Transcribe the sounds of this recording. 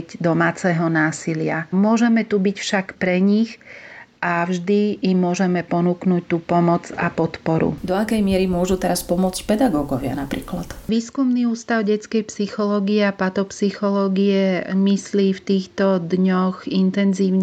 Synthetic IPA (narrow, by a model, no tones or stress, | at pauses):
ɟd̪ɔmaːt͡sɛɦɔnaːsilɪamʊɔʒɛmɛt̪ubicfʃakpɾɛɲixʔavʒd̪iːmːʊɔʒɛmɛpɔnuknuc̚t̪uːpɔmɔd͡zapɔt̪pɔɾṵd̪ɔakɛjmɪɛɾimʊɔʒut̪ɛɾaspɔmʊɔt͡scpɛd̪aɡɔːɡɔʋɪa̰napɾḭːklat̪ʋiːskumniːuːst̪aʊɟɛt͡skɛjpsixɔlɔːɡiɛapat̪ɔpsixɔlɔːɡiɛmisliːft̪iːxt̪ɔd̪ɲɔɣint̪ɛnziːʊɲ